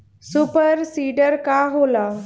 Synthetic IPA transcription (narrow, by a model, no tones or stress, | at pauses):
supəɾsiɖəɾkaɦola